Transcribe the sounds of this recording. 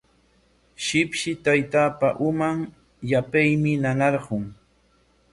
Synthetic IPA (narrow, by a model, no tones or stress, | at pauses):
ʃɪpʃɪt̪ajt̪aːpaʔʊmaŋ | japajmɪnanɑɾɢʊŋ